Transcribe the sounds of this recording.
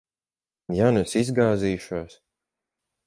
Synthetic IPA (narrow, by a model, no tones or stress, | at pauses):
janusizɡaːziːʃuɔs